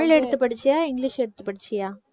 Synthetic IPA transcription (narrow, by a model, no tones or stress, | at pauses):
ɐɭɛɽɯt̪ːɯpːɐɽɯt͡ʃːɪjaːɪŋɡlɪʂɛɽɯt̪ːɯ̥pːɐɽɯt͡ɕːɪjaː